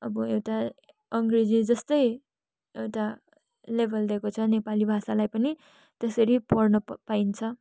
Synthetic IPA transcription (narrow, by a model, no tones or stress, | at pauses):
ʌbʌewʈa | ʌŋɡred͡zid͡zʌst̪ʌj | ewʈa | lebʱʌld̪ekot͡sʰʌnepalibʱasalajpʌni | t̪ʌsʌɾipʌrnʌpaint͡sʰʌ